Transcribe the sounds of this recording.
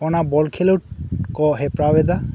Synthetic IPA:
ɔnabɔlkʰelewkɔɦepɾabed̪a

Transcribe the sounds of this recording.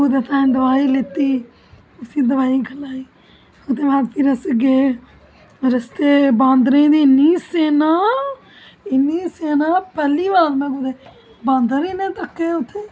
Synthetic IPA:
ud̪et̪ʰãːnd̪ɐʋaːilet̪iː | ʊsiːd̪əʋaːiɡʱɐlaːiː | ʊt̪ʰeʋaːɾt̪iɾəsɡeː | ɾəst̪eːbãːnd̪ɾẽːd̪iniseːnaː | ɪniːseːnaːpəliːʋaːlmẽɡud̪e | bãːnd̪əɾinẽt̪əkːeʊt̪ʰːe

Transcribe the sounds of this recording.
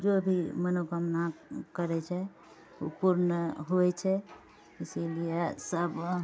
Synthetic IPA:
d͡ʒobʱimənoɡəmnakəɾɛt͡ʃʰɛ | upuɾnəɦoɛt͡ʃʰɛ | isiliesəb

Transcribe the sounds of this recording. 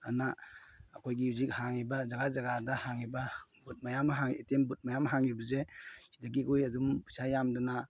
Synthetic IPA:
a̰naːkʰojɡiuzik̚haŋibazaɡazaɡadahaŋibabut̚majamaɦaŋetembut̚majamaɦaŋibɐzesidaɡiɡujadumpʰu̥sajamdɔna

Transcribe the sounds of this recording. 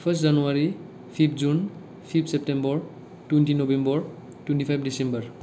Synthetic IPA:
pʰəstzanuaɹi | pʰipʰzun | pʰipʰsep̚tembɔɹ | twentinobembɔɹ | twentipʰajp̚ʰdisembɔɹ

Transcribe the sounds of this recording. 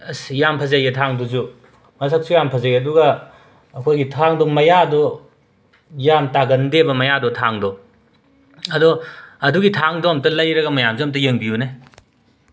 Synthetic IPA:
sjampʰɐzajetʰaŋdɔzu | mɐsʰak̚sujampʰɐzajɐduɡɐː | kʰojɡitʰaŋdɔmɐjadɔ | jamtaɡɐndebɐmɐjadɔtʰaŋdɔ | ɐdɔɐduɡitʰaŋdɔɐmtɐlɐjɾɐɡɐmɐjamzuɐmt̬ɐjeŋbijune

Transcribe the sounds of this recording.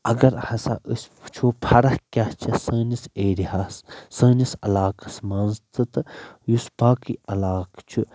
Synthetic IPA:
ɐɡɐɾhɐsa̰ʔəsʲpt͡ʃʰoːpʰɐɾɐhkʲaht͡ʃʰɐsəːniseːɾiɦassə̃ːnisɐ̰laːkɐ̥smãːnzt̪ɨt̪ɨjuspaːkiɐlaːkt͡ʃʰu

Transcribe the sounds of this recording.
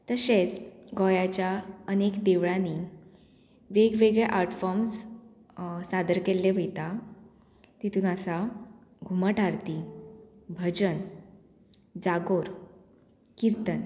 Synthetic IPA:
t̪əɕet͡sɡɔjat͡ɕjaənekd̪eʋɭãni | ʋeɡʋeɡɭɛʔaɾʈfɔɾms | sad̪əɾkelːeʋəjt̪a | t̪it̪uːnəsaɡʱuməʈaɽt̪i | bʱəd͡ʑən | d͡zaɡoɾ | kiɾt̪ən

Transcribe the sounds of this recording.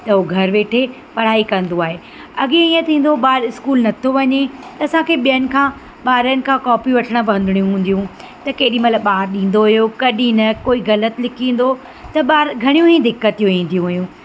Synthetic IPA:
t̪ɐɦoɡʱɐɾʋeːʈʰe | pɐɽ̤aːikɐ̃nd̪oaːɦe | ɐɡẽiːə̃t̪ʰĩːn̆d̪oɓaːɾɪskuːlnɐt̪ʰoʋɐɲet̪ɐːsãkʰeːɓijənɪ̆kʰãː | ɓaːɾənɪ̆kʰãːkɔːpiʋɐʈʰəɽ̃əpɐ̃nd̪ʱɪɽ̃ijũɦũːn̆d̪ijũ | t̪ɐkeːɗĩmɐt̪ləbɓaːɾɗĩːn̆d̪oɦʊjokɐɗĩnɐkoːiɣɐlət̪ɪlɪkʰĩːn̆d̪o | t̪ɐɓaːɾɡʱɐɽ̃ijũɦĩd̪ɪkːət̪ijũĩːn̆d̪ijũɦʊɦjũ

